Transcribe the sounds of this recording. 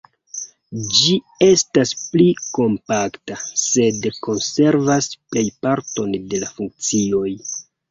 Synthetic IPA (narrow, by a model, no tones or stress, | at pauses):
d͡ʒi | e̞staspliko̞mpaktase̞dko̞nse̞ɾvasple̞jpaɾtonde̞lafuŋk̚t͡sio̞j